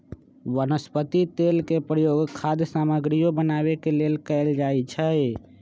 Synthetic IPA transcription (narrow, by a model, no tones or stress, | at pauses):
wənəspət̪it̪elkepɾəjoɡkʰad̪jsaməɡɾijobənaβekelelkəɪld͡ʒaet͡ʃʰɛ